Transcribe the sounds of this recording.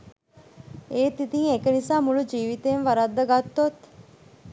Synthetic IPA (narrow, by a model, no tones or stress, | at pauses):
eːt̪it̪iŋekənisaːmuɭud͡ʒiːʋit̪eːnʋaɾad̪ːɐɡat̪ːot̪